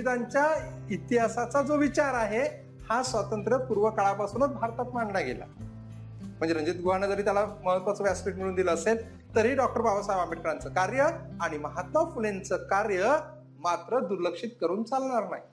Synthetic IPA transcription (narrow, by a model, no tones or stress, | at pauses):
it̪aɲt͡ɕja | it̪iɦasat͡sad͡zoʋit͡ɕaɾaɦe | hasʋat̪ənt̪ɾəpuɾʋəkaɭapasuːnət̪̚bʱaɾt̪at̪maɳɳaɡḛla̰ | m̤əɳd͡zeɾəɲd͡ʑiːt̪̚ɡʱuaɳəd͡zəɾiːt̪jalaməɦət̪ʋat͡səʋaspɾiʈ̚miluːnd̪iləːsel | t̪əɾɦiːɖɔk̚ʈəɾbabəsajʋambeʈ̚kəɾant͡səkaɾjəaɽ̃iməɦat̪ʋafulent͡səkaɾjə | mat̪ɾəd̪uɾləkʂiːt̪̚kəɾuːnt͡salɳaɾna̰ɦi